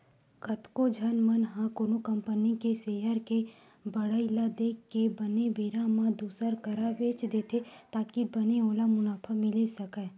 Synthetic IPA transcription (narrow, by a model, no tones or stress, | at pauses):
ɡɐt̪kod͡ʒʱɐnmənɦãkoːnokɐ̃mpənikeseːjəɾke | bɐɽəilad̪eːkːebɐnebeːɾãmãd̪uːsəɾkəɾaʋeːt͡ʃd̪eːt̪ʰet̪aːkibɐneoːlamʊnaːpʰamɪlesɐkɛː